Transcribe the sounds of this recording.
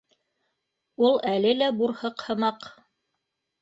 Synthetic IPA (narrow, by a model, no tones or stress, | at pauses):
ulˠælɘlæbuɾhɤqhɤ̆mɑq